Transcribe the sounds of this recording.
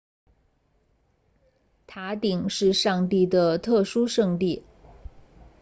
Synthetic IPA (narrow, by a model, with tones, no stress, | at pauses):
t̪ʰa˧˥t̪i˨˩ŋʂɻ̩˥˧ʂɑ˥˧ŋt̪i˥˩d̪ə˩t̪ʰɤ˥˩ʂu˥ʂɤ˥˧ŋt̪i˥˩